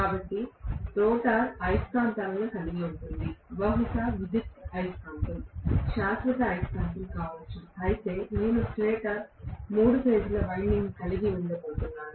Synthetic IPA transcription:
kaːbɐʈːit̪ɔːʈaːɾɐjskaːnt̪ɐːlɐnukɐliɡiuɳʈund̪iʋɐɦusaʋid̪it̪ɐjskaːnt̪ɐmʃaːsɾɐt̪ɐɐjskaːnt̪ɐmkaːʋɐt͡ʃːuɐjit̪e̞ːneːnusʈɾeːkɐɾmuːɽupeːd͡ʒulɐʋɐjniŋɡkɐliɡiʋuɭɖɐboːt̪unːaːnu

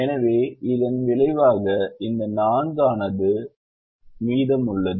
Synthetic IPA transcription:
ɛnɐʋeːɪðɐnʋɪɭɐɪʋaːɣɐɪnd̪ɐnaːnɡaːnɐðɯ | miːðɐmʊɭːɐðɯ

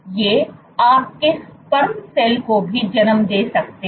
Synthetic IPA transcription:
jeː | aːp̚kɪspɐɾmseːlkobʱid͡ʒɐnəmd̪eːsɐk̚t̪e

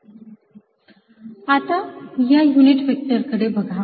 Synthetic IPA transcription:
at̪ajajuniʈʋək̚təɾkəɽebəɡʱa

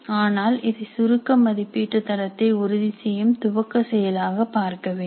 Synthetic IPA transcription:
aːnaːlɪðɐɪsʊɾɯkːɐmːɐðɪpːiːʈːɯt̪ːɐɾɐt̪ːɐɪʊɾʊðɪsɛjɯmt̪ʊʋɐkːɐsɛjɐlaːɣɐpːaːɾkɐʋeː

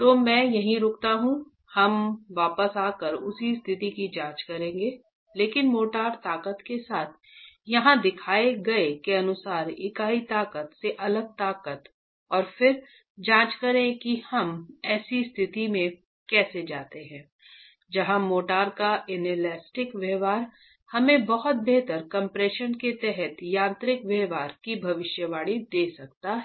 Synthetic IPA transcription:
t̪oːmɛ̃ːjɐɦĩɾʊːkt̪aɦũ | hɐmʋaːpəsaːkəɾʊsist̪ʰɪt̪ikid͡ʒãːt͡ʃkɐɾẽːŋɡeː | leːkɪnmoːʈaːɾt̪aːkət̪kesaːt̪ʰ | jɐɦãd̪ɪkʰaːeɡɐekeɐnʊsaːɾɪkaːit̪aːkət̪seʔɐləɡ̚t̪aːkət̪ | ɔːɾfɪɾ | d͡ʒãːt͡ʃkɐɾẽkihɐmɛːsist̪ʰɪt̪imẽ | kɛːsed͡ʒaːt̪eɦɛ̃ː | d͡ʒɐɦãmoːʈaːɾkaʔɪnelɛːsʈɪkʋjɛːʋaːɾ | hɐmẽbɐɦʊt̪̚beɦt̪əɾkɐ̃mpɾeːʃənket̪ɛɦɛt̪jãːnt̪ɾɪkʋɛɦʋaːɾkibʱɐʋɪʃjəʋaːɽ̃id̪eːsɐkt̪aɦɛ

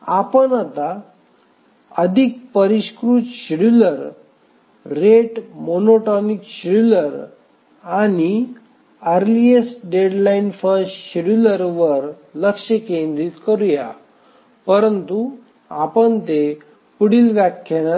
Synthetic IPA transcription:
apənat̪a | əd̪ʱik̚pəɾiɕkɾut̪ɕiɽuləɾ | ɾeʈmonoʈɔnikɕiɽuləɾ | ani | əɾliesɖeɖlainfəɾsʈɕiɽuləɾʋəɾ | ləkʂəkend̪ɾit̪kəɾuja̰ | pəɾənt̪u | apəɳt̪e | puɽilʋakʰːan

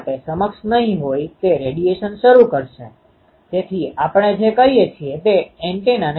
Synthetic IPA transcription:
ʈesəməkʃnəɦĩɦojt̪eɾeɖieʃənʃəɾukəɾʃe | d͡ʒet̪ʰiapəɳ̃ed͡ʒekəɦijet͡ʃʰiet̪eeɳʈenan

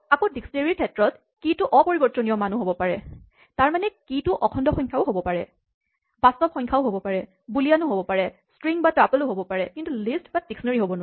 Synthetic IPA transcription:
akʊ̃diksɔneɹiɹkʰɛtɹɔt | kitʊʔɔpɔɹibɔtɔnijɔmanuɦobɔpaɹɛ | taɹmanɛkitʊʔɔkʰɔndɔxɔjɲkʰaʊɦobɔpaɹɛ | bastɔpxɔɲkʰaʊɦobɔpaɹɛ | bulianʊɦobɔpaɹɛ | stɹiŋbatapɔlʊɦobɔpaɹɛkintulistbad̥iksɔneɹiɦobɔna

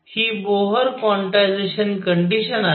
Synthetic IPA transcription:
hiːboɦəɾkʋɔ̃ɳʈajd͡zeɕənkəɳɖiɕəna

